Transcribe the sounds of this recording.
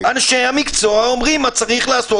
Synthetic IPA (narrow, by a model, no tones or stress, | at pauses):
anʃehamikt͡soaomʁimat͡saʁiχlaːso